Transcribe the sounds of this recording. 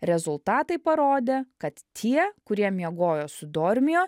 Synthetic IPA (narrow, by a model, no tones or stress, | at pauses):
ɾʲɛzʊlˠt̪ɑːt̪ɐɪpɐɾoːd̪ʲeːkɐt̪t̪ʲʰiɛkʊɾʲiɛmʲiɛɡoːjoːsʊd̪oːɾʲmʲɪjoː